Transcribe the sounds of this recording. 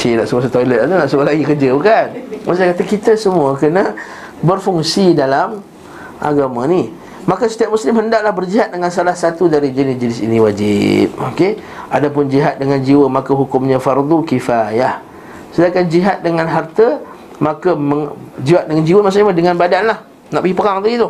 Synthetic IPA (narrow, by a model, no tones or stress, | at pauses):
t͡ʃinaʔsukas̬ət̪olət̪̚anənaʔsukalaɡikərd͡ʒəukanmaʔsakat̪əkit̪əsəmũəkənə | bərfuŋsidalam | ʔa̰ɡamãni | makəsə̥t̪ijaʔ̚muslɪmɦəndaʔ̚lahbərd͡ʒiɦat̪̚dəŋansalahsat̪udaɾid͡ʒənɪsd͡ʒənɪsḭnĩwad͡ʒɪ̰p̚oke | ʔadap̬ʊnd͡ʒiɦat̪̚dəŋand͡ʒiwəmakəɦukʊmɲãfard̪ukifajah | sədakand͡ʒiɦat̪̚dəŋãnɦart̪ə | makəməŋd͡ʒiwat̪̚dəŋand͡ʒiwəmaʔs̬uʔɲamədəŋanbadanlah | naʔpəɡipəkaŋt̪uɡit̪ʊ